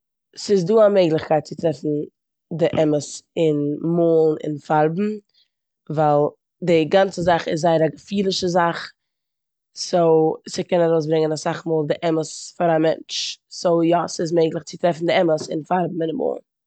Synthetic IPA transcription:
sɪsduːameɪɡlˠɪχkaɪt̚t͡sɪtɾɛfn̩ | dɪʔɛməsɪnmoːlˠn̩ɪ̰nfaɾbm̩ | vaɪlˠ | dɪɡant͡səzaχɪ̰szːaɪəɾaɡəfiːlˠɪʃəzaχ | soʊsɪkɛnaɾoʊs̬bɾɪŋənasaχmoːlˠdɪʔɛməsfaɾamɛnt͡ʃsoʊjɔsɪs̬meɪɡlˠɪχt͡sɪtɾɛfn̩dɪɛməsɪ̰nfaɾbm̩ɪnmo̰ːlˠn̩

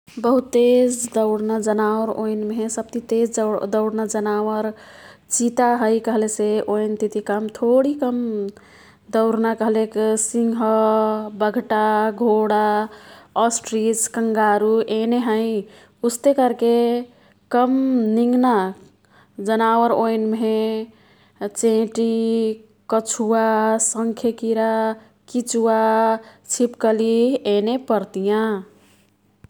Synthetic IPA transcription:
bəɦut̪ːed͡ʒd̪əʊɽnad͡ʒənaʋəɾo̰jnmeɦesəb̚t̪it̪ed͡ʒd̪əʊɽnad͡ʒənawəɾt͡ʃit̪aɦəjkəɦleseʔojnt̪it̪ikəmt̪ʰoɽikəm | d̪əʊɽnakəɦleksiŋɡʱɦəbəɡʱʈaɡʱoɽa | ɔsʈɾiskəŋɡaɾuʔeneɦə̃ĩ | ust̪ekəɾke | kəmniŋɡna | d͡ʒənawəɾojnme | t͡ʃẽʈi | kət͡ʃʰuasəŋkʰjekiɾa | kit͡ʃuat͡ʃʰipkəlienepəɾt̪ijã

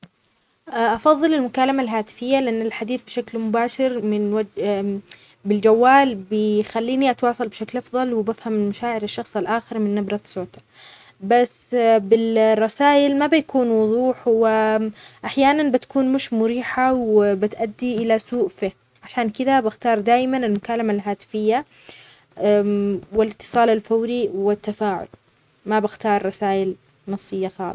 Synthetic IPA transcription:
ʔʔɑfɑðˤːɨlɪlmʊkaːlamalɦaːt̪ɪ̥fɪjːalɪʔanːɪlħad̪iːθbɪʃaklmʊbaːʃɪɾmɪnwad͡ʒ | bɪld͡ʒawːaːlbɪxalːiːniʔat̪wɑːsˤɑlbɪʃaklʔɑfðˤɑlwɪbafhammaʃaːʕɪɾɪʃːɑxsˤalʔaːxɪɾmɪnːabɾˤɑt̪soːt̪ḁ | basːbɪrˤːɑsaːjɪlmabɪjakuːnwʊðˤuːħwɪʔaħjaːnanbɪt̪ḁkuːnmʊʃmʊɾiːħawɪbɪt̪ʔad̪ːiʔɪlasuːʔfi | ʕaʃaːnkɪd̪abɪxt̪ɑːɾˤd̪aːjmanɪlmʊkaːlamalɦaːt̪ɪ̥fɪjːa | wɪlɪt̪ːɨ̥sˤɑːlalfawɾiwɪt̪ːafaːʕʊ̰l | mabɪxt̪ɑːɾˤːɑsaːʔɪl | nɑsˤːɨjːaxɑ̰ːlsˤ

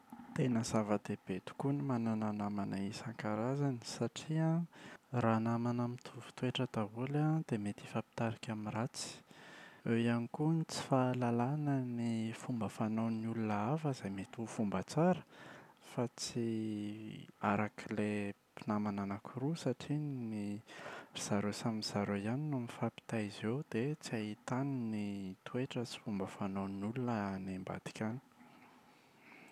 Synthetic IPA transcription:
t̪enəz̥avəd̪eb̥et̪u̥kunimanananamanaisaŋkaɾazani̥saʈ͡ʂiaranamanamit̪ʰuvu̥t̪weʈ͡ʂəd̪aɦulad̪emet̪i̥fapi̥t̪aɾakʲaminrat͡si̥ | ewjanikunit͡si̥falalanənifumbəfanawnulunəafəzajmet̪ufumbət͡saɾə̥fat͡si | aɾakʰile | pinamananakʰuɾusaʈ͡ʂini | z̥aɾosamiz̥aɾojaninumifapi̥t̪aizewd̪̥et͡siaɦit̪aninit̪ueʈ͡ʂət͡si̥fumbəfanawnulunənemba̰d̪̥i̥kʲani̥

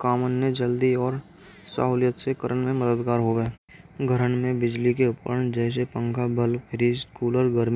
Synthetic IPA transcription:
kaːmənːed͡ʒəld̪iɔːɾ | sa̰ːɦuːljət̪sekəɾʔəɳmẽməd̪əd̪kaːɾɦoʋe | ɡʱəɾəɳmẽbɪd͡ʒlikeʊpɾəɳd͡ʒɛːs̬epə̃ŋkʰabəlpʰɪɾiskuːlɔɾɡəɾmi

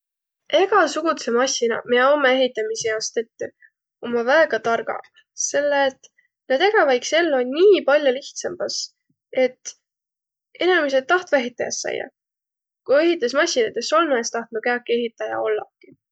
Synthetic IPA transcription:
e̞ɡ̥ɑsuɡ̥ut̪semɑsʲinɑ̰meomee̞ɦit̪ːˑɑmisejɑost̪e̞t̪ːˑy | omɑvæeɡ̥ɑt̪ɑrɡ̥ɑ̰ | se̞lːeːt̪ːˑ | nɑd̪̥e̞ɡ̥ɑvɑjkse̞lːonʲniːpɑlʲjoliht̪sɑmb̥ɑs | e̞t̪ː | e̞nɑmis̬et̪̚ːɑht̪ve̞ɦit̪ːˑɑjɑ̰sːɑ̰jːɑ̰ | kue̞ɦit̪ˑːesmɑsinɑt̪ːeso̞lmɑest̪ɑht̪nukæɑkːˑie̞ɦit̪ːˑɑjɑ̰o̞lːɑ̰kːi

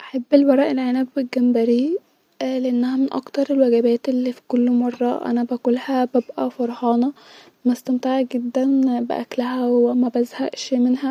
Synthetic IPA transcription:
ʔaħabːelbɑɾˤɑʔelʕenæːbbelɡæmbæɾi | leʔenːæhæmenʔɑ̰kt̪ɑɾˤelwæɡæbæːt̪elːifi̥kolːmɑrˤːɑ̰ʔæ̰næbækolhæbæbʔæfɑɾˤhɑːnɑ | mæst̪æmt̪eʕɡed̪ːænbḛʔæ̰klæhæwemæbæzhæʔʃmenhæ

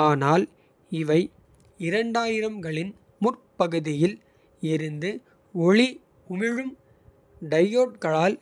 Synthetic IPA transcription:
aːnaːl | ɪʋɐɪ | ɪɾɐɳɖaːjɪɾɐmɡɐɭɪn | mʊrpɐɣɯðɪjɪl | ɪɾɯnd̪ɯ | ɔɭi | ʊmɪɻɯm | ɖɐjoːʈ̚kɐɭaːl

